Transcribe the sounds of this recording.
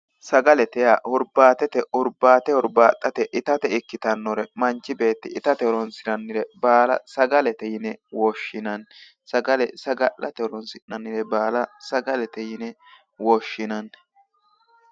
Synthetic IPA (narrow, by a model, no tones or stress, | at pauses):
sɐɡɐlɛt̪ɛjahʊɾbaːt̪ɛt̪ɛʊɾbaːt̪ɛhʊɾbaːt̪ʼːɐt̪ɛʔɪt̪ɐt̪ɛɪkːɪt̪ɐnːɔɾɛmɐnt͡ʃːɪbe̞ːt̪ːɪɪt̪ɐt̪ɛɾɔnsɪɾɐnːɪɾɛbaːlɐ̰sɐɡɐlɛt̪ɛjɪnɛwɔʃːɪnɐn | sɐɡɐlɛsɐɡɐʔːɐt̪ɛɾɔnsɪnɐnːɪɾɛbaːlɐsɐɡɐlɛt̪ɛjɪnɛ | wɔʃːɪnɐn